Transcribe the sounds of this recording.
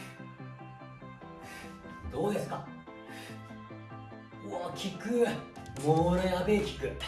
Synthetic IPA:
d̪o̞ːd̪esɨ̥ka | ɯakʲikɯmoɾajabekʲi̥kɯ̟

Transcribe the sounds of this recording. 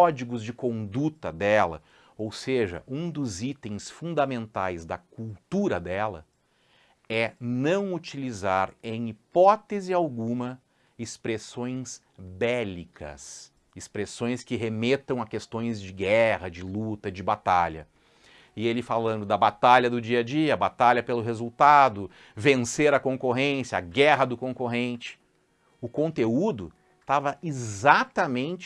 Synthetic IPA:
ɔd͡ʒiɡʊzd͡ʒɪkõnd̪ut̪ɐd̪ɛlɐ̰ | owseʒɐ̰ʔũd̪ʊzit̪ẽj̃sfũnd̪ɐmẽnt̪ajzd̪ɐkuwt̪uɾɐd̪ɛlɐ̰ | ɛnɐ̃w̃ut͡ʃilizaɾẽj̃ipɔt̪ezɪawɡũmɐ | ɪspɾesõj̃s | bɛlikʰɐ̰s | ɪspɾesõj̃skɪɦemet̪ɐ̃w̃ɐkest̪õj̃zd͡ʒɪɡɛhɐd͡ʒɪlut̪ɐd͡ʒɪbat̪aʎɐ̰ | ɪelɪfalɐ̃nd̪ʊd̪ɐbat̪aʎɐd̪ʊd͡ʒiɐd͡ʒiɐːbat̪aʎɐpelʊɦezuwt̪ad̪ʊ | vẽseɾɐkõŋkoɦẽsjɐa̰ɡɛɦɐd̪ʊkõkoɦẽnt͡ʃɪ̥ | ʊkõnt̪eud̪ʊ | t̪avɐizat̪ɐmẽnt͡ʃ

